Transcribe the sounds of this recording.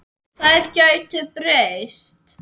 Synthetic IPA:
θaðɛɾ̥cœɥt̪ʏpɾejst̪

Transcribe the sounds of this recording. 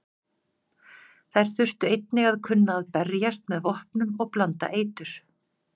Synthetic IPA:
θajɾ̥θʏr̥t̪ʏejt̪̚nɪɣaðkʰʏnːaːðpɛɾjast̪mɛðvɔhpnʏmɔɣplant̪a̰ʔeːjt̪ʏɾ̥

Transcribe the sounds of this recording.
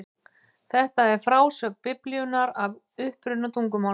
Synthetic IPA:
θɛht̪aɛɾ̥fɾaːwsœpɪpljʏnaɾav | ʏhpɾʏnat̪ʰuŋkʏma

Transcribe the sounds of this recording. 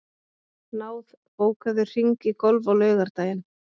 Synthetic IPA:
naːwð | poːwkaðʏr̥iŋkikɔlvawlœːɥɣaɾt̪aːjɪn

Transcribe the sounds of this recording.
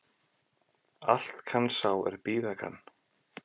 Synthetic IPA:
al̥t̪kʰansaːwɛ̰ɾpiːvɛka̰nː

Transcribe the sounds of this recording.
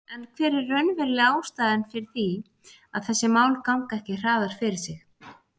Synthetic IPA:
ɛnkʰvɛːɾɪrːœnvɛɾlɪaːwst̪aːðɪnfɪɾɪɾ̥θi | aðθɛsːɪmaːwlkawŋkaɛhcɪr̥aːðaɾ̥fɪɾɪɾ̥sɪx

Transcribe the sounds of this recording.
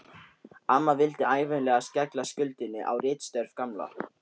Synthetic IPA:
amːavɪlt̪ɪaːjvʏnlɛːɣascɛklascʏlt̪ɪnːɪ̰ʔa̰wrɪːt̪st̪œɾv̥kamla̰

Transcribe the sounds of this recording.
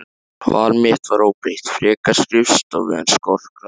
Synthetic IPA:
va̰ːlmɪht̪vaɾoːwpɾejht̪fɾɛːkaskɾɪfst̪ɔ̰vɛ̰a̰nskɔr̥ka

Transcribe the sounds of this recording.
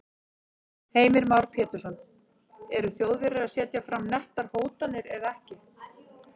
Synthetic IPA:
heːjmɪɾmawɾ̥pʰjɛːt̪ʏɾ̥sɔn | ɛɾʏθjowðvɪɾɪɾaðsjɛːt̪jafɾamnɛht̪aɾ̥hoːwt̪anɪɾɛðaɛhcɪ

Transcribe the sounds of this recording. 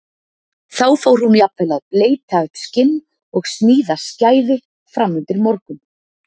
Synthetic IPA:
θawfowɾ̥huniapvɛlaðpleːjt̪ʰaɣt̪scɪnː | ɔɣsniːðascaːjðɪ | fɾamːʏnt̪ɪɾmɔɾkʏm

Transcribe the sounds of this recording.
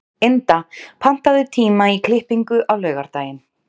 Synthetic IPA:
ent̪apʰan̥t̪aðʏt̪ʰiːmaikʰl̥ɪhpiŋkʏʔawlœːɥɣaɾ̥t̪aːjɪn

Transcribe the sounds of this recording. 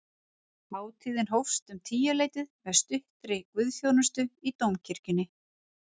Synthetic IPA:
maːwt̪ʰiːðɪnɦowfst̪ʏmt̪ʰiːjalejt̪ɪðvɛ̥st̪ʏht̪ɾɪkvʏðθjownʏst̪ʏit̪owmcʰɪɾ̥cʏnːɪ

